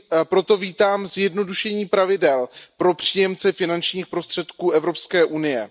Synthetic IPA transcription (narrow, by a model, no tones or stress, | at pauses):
pɾo̞t̪o̞viːt̪aːmzjɛdno̞duʃɛɲiːpɾavɪdɛlpɾo̞pr̝̥iːjɛmt͡sɛfɪnant͡ʃɲiːxpɾo̞st̪r̝̥ɛt̪kuːɛvɾo̞pskɛːʔunɪjɛ̰